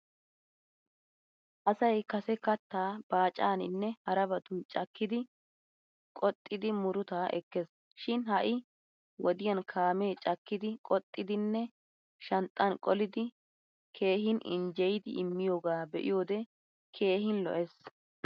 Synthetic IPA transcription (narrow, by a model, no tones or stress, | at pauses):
ʔɐsɐjkɐsɛkɐt̪ːaːb̥aːt͡ʃʼaːnɪ̰nːɛhɐɾɐbɐt̪ʊnt͡ʃʼɐkːɪd̪ɪ | kʼɔt̪ʼːɪd̪ɪmʊɾʊt̪aːʔɛ̰kːɛs | ʃɪnhɐʔɪ | wɔd̪ɪjɐnkʰaːme̞ːt͡ʃʼɐkːɪd̪ɪkʼɔt̪ʼːɪd̪ɪnːɛ | ʃɐnt̪ʼːɐnkʼɔlɪd̪ɪ | kʰe̞ːɦɪnʔɪ̰nd͡ʒɛjd̪ɪʔɪmːɪjoːɡaːbɛʔɪ̰jo̞ːd̪ɛ | kʰe̞ːhɪnlɔ̰ʔɛs